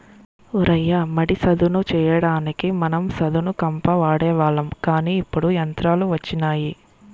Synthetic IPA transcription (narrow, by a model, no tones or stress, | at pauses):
uɾɐjːɐmɐɽisɐd̪unut͡ʃɛːjɐɽaːnikimɐnɐmsɐd̪unukɐmpɐʋaːɽɛːʋaːɭɐmkaːniːipːuɽujɐnt̪ɾaːluʋɐt͡ʃːinaːji